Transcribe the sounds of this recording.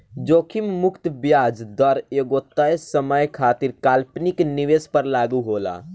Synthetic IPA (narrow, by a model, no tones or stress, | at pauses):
d͡ʒoːkʰimmʊkt̪bjaːd͡ʒd̪ɔɾeɡot̪əsəməjkʰaːt̪iɾkaːlpnikniʋespəɾlaːɡuɦoːla̰ː